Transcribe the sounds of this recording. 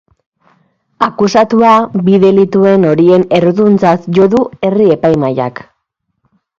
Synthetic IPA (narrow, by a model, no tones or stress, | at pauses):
akusat̪uabiðe̞lit̪ue̞no̞ɾie̞ne̞ɾðunt͡sasʝo̞ðue̞rie̞pajmaja̰k